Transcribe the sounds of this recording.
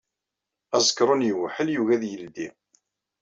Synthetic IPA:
æzˤəkːɾˤʊnjəwħəljuɣæðjəld̪ḭ

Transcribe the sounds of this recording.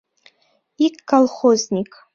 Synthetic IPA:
ikːalˠχoznʲikʼ

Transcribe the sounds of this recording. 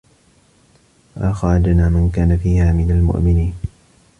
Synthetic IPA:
ʔaxaːd̪naːmankaːnafiːhaːmɪnalmʊ̰ʔmɪniːn

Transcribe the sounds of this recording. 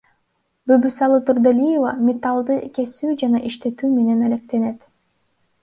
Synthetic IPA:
bøbysɑlˠɯt̪uɾd̪elʲijevɑ̰mʲet̪ɑlˠd̪ɯke̞syːd͡ʒɑnɑʔiʃt̪e̞t̪yːmene̞næle̞k̚t̪e̞ne̞t̪

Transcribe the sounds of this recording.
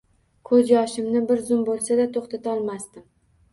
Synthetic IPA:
kʰɵd͡ʒɒʃɪmnɪbɪɾzʊmbolˠsad̪at̪ʰoχt̪ʰat̪ʰaɒlˠmast̪ɪm

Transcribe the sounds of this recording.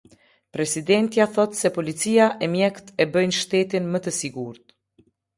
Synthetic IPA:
pɾɛsid̪ɛnt̪jaθɔt̪sɛpɔlit͡siaʔɛmjɛkt̪ɛbəjnʃt̪ɛt̪inmət̪əsiɡuɾt̪̚

